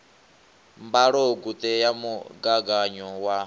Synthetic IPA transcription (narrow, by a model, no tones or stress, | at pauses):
mbaɺoɡut̪ʼɛjamuɡaɡaɲɔwa